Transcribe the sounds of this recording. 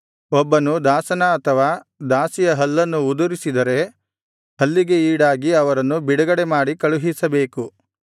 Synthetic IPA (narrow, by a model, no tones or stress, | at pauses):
ɔbːɐnud̪aːsɐnɐːt̪ʰɐʋaː | d̪aːsijɐɦɐlːɐnːuːd̪uɾisid̪ɐɾe̞ | ɦɐlːiɡe̞iːɽaːɡiɐʋɐɾɐnːubiɽɐɡɐɽemaːɽikɐɭuɦisɐbe̞ːku